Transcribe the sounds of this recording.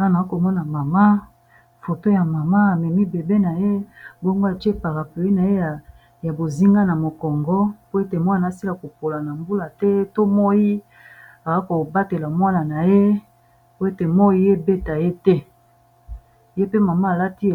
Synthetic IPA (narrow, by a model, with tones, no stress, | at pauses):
a˦na˨a˦ko˨mɔ˦na˨ma˨ma˦ | fo˨to˦ja˨ma˨ma˦a˨mɛ˨mi˦be˨be˦na˨je˦bo˦ŋɡo˦a˨t͡ʃe˦pa˨ʁa˨pe˨i˦na˨je˦a˨ | ja˨bo˨zi˦ŋɡa˦na˨mo˨kɔ˨ŋɡɔ˦po˦e˦te˨mo˦a˨n˨a˨˦si˦la˨ko˨po˨la˨na˨mbu˦la˨tɛ˦to˦mo˦ji˦ | a˨a˦ko˨ba˦te˨la˨mwa˦na˨na˨je˦ | po˦e˦te˨mo˦i˦je˦be˦ta˨je˦tɛ˦ | je˦pe˦ma˨ma˦a˨la˦ti˦˨